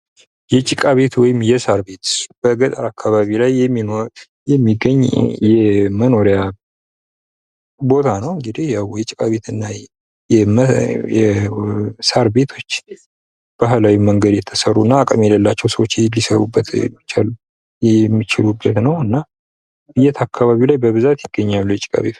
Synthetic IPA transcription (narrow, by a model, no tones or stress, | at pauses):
jɛt͡ʃʼikʼaβe̞t̪wɔjɪmjɛsaɾbe̞t̪b̥əɡət̪ʼaɾakʰːaβaβilajːɛmːino | jɛmːiɡəɲːjɛməno̞ɾja | bo̞t̪ʰanəwɨŋɡɨd̪ihjawjɛt͡ʃʼikʼaβe̞t̪ɨnːa | jɛmjɛ | saɾbe̞t̪ʰo̞t͡ʃː | b̥aɦlawiməŋɡəd̪jɛt̪ʰːəsəɾuɨnːaːkʼəmjɛləlːat͡ʃːɛwsəwot͡ʃːlːisəɾubːət̪mːt͡ʃal | jɛmːit͡ʃɪlubːət̪nəwɨnːa | ɨjɛt̪ʰakʰːaβaβilajbəβɨzat̪jɪɡ̥ːəɲːalːujɛt͡ʃʼɪ̥kʼa̰βe